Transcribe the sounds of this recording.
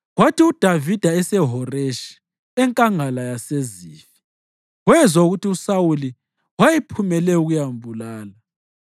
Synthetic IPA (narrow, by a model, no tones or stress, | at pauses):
ɣwatiud̥ʱavid̥ʱaɛsɛɦɔreʃi̥ | ɛŋkʼaŋalajaseziːfi̥ | ɣwɛzauɣutiusawuli | wajipʰumɛlɛuɣujambʱulaːla